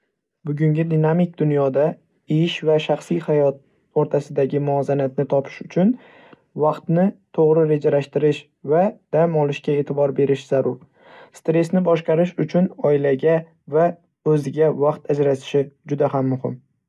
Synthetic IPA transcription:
bʊɡʲʊŋɡʲɪd̪inamɪk̚ʲd̪ʊnjɒd̪a | ɪjɪʃvaʃaχsijhajɒt̪̚ | oɾt̪ʰasɪd̪aɡʲɪmʊɒzanat̪nɪt̪ʰɒpʰɪ̥ʃʊt͡ʃʰʊn | vɑqt̪nɪt̪ʰoʁɾɪɾe̞d͡ʒalaʃt̪ɪɾɪʃ | vad̪̥amɒlˠɪʃkʲae̞ːt̪ʰɪbɒɾbe̞ɾɪʃz̥aɾʊɾ | st̪ɾe̞snɪbɒʃqɑɾɪʃʊt͡ʃʰʊnɒɪlaɡʲa | va | ɵzɪɡʲavaqt̪ʰad͡ʒɾat̪ʰɪ̥ʃɪd͡ʒʊd̪ahamːʊhɪ̰m

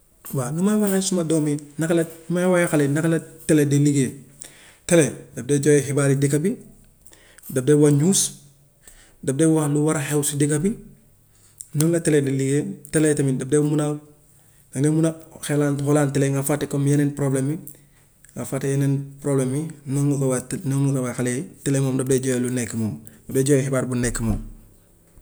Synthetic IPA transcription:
wanumawaxesumadominaklanimawajaxalenakalateledeliɡe | teledab̚deɟojeɦibaːɾidikabi | dab̚dewaɲus | dab̚dewaluwaɾahewsidikabi | nomlateledeliɡeteletɐmidɐb̚deumunaw | ɡanemunaxelaːnholaːnteleŋɡafatekomjeneːnpɾoblemi | ŋɡafaːtjenenpɾobleminoŋnukawatnoŋnukawaxaletelemoːmdɐb̚deːɟojelunekːimomdɐdeːɟoːjehibaːɾbunekːimom

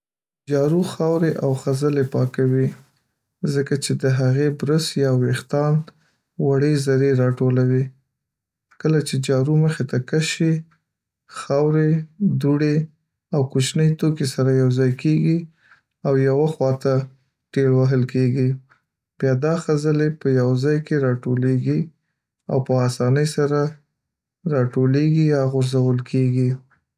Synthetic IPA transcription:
d͡ʒɑɾuxɑwɾeʔawxazəlepɑkawi | zəkat͡ʃed̪əɦaɣebɾəsjɑwext̪ɑn | waɽezaɾeɾɑʈolawi | kəlat͡ʃed͡ʒɑɾuməxet̪akaʃe | xawɾed̪uɽe | awkut͡ʃnəjt̪okesaɾajawzɑjkeɡi | awjawaxwɑt̪a | ʈeɽwaɦəlkeɡi | b̥jɑd̪ɑxazəlepəjawzɑjkeɾɑʈoleɡi | a̰wpəːsɑnəjsaɾa | ɾɑʈoleɡijɑɣʊɾzawəlkʰeɡi

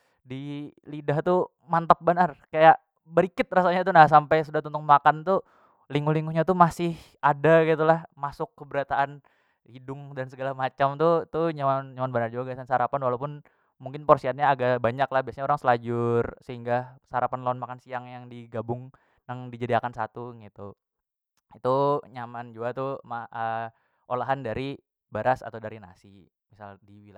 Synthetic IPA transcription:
di | lidaht̪u | mant̪ap̚bənarkajaʔ | bəɾikɪt̪̚rasaɲat̪unahs̬ampajsudaht̪unt̪ʊŋmakant̪u | liŋuliŋuɲat̪umasɪh | adaɡit̪ulahmasʊkːəbəɾat̪aʔan | hidʊŋdansəɡalamat͡ʃamt̪ut̪uɲawanɲawanbənard͡ʒuɡasansaɾapanwalawpʊn | muŋkɪnpɔrsiat̪̚ɲaːɡabaɲaklahbiasaɲaoɾaŋsəlad͡ʒʊrsəɦiŋɡasaɾapanlɔnmakansiaŋjaŋdiɡabʊŋ | naŋdid͡ʒadiakansat̪uɡit̪u | it̪uɲamand͡ʒuat̪umaə | ʔolaɦandaɾi | baɾasa̰t̪awdaɾina̰si | misaldiwila

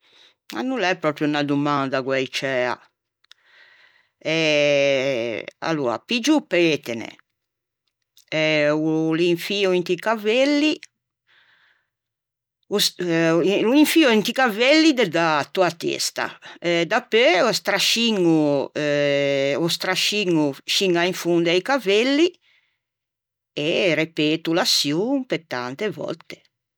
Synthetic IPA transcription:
a̰nːulɛpːɾɔpɾjunad̪umand̪aɡwɛit͡ʃɛːa̰ | ɛ | a̰lːṵːɾa̰pid͡ʒupːɛet̪ɛnɛ̰ | ɛuliɱfiːɔint̪ikavelːi | us | luiɱfiːoint̪ikavelːid̪ɛd̪at̪uat̪ɛ̰st̪a̰ɛd̪apːøɔst̪ɾaʃiŋuɛ | ɔst̪ɾaʃiŋːuʃiŋːaiɱfund̪aikavelːi | eɾepeːt̪ulasjumpet̪ːa̰nt̪evɔ̰lt̪e̥

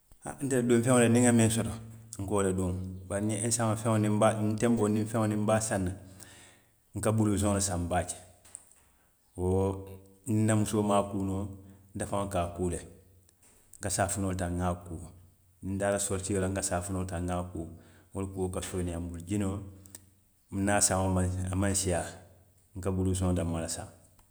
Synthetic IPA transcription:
a̰n̩teldõɱfẽŋolenĩŋamẽnsɔtoŋ̩koːledõŋbaɾnẽnsamafẽŋonĩmbantɛ̃mbonĩfɛ̃onĩmbaːsãnːa | ŋ̩kabuluzõlasãmbaːt͡ʃe̥ | wo | ninamusomaːkuːnon̩tafaŋkaːkuːle | ŋ̩kasaːfunoltãŋŋaːkuː | nn̩daːlasoɾtiɡelaŋkasaːfunoːltaŋŋaːkuːolukuokasonĩambuld͡ʒino | m̩naːsãaamãnsija | ŋ̩kabulus̬ɔ̃damːalasã̰ŋ

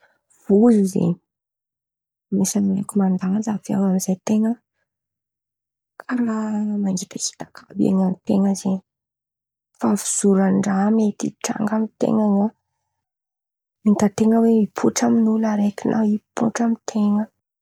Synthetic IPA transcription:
vuzizḛɲi̥ | mesanilekumand̪aŋazavia̰wamizajt̪eŋə | kʰaɾamanɡit̪at͡ʃi̥t̪akʰabiḛɲanit̪eŋəzeɲi | fafiz̥uɾanɳɖ͡ʐamet̪ḭʈ͡ʂa̰ŋɡamit̪ḛŋəa | mit̪at̪eŋəweipʰuʈ͡ʂaminulaɾekinʔaipʰṵʈ͡ʂamit̪ʰeŋə

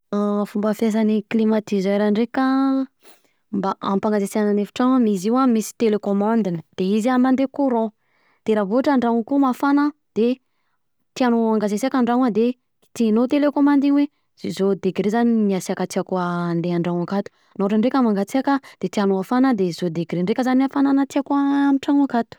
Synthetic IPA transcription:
afumbəfjas̬aniklimat̪izeɾaɳɖ͡ʐeka | mbaʔampaŋɡazeseananefi̥ʈ͡ʂaŋamiziwamisi̥t̪elekomãnd̪inəd̪̥eizianand̪ekuɾɔ̃ | d̪̥eɾavoaʈ͡ʂaɳɖ͡ʐawkumafanəd̪̥e | t̪ianoaŋɡazesiakaɳɖ͡ʐaŋad̪e | t̪inot̪elekomãnd̪iɲwe | zzod̪eɡɾezaniniasiakat͡siakuəːnd̪eaɳɖ͡ʐaŋakat̪u̥ | naaʈ͡ʂaɳɖ͡ʐekʲamaŋɡat͡siakad̪̥et̪ianoafanəd̪ez̥od̪eɡɾeɳɖ͡ʐekʲəzanafananat̪iakuaamiʈ͡ʂaŋakat̪u̥

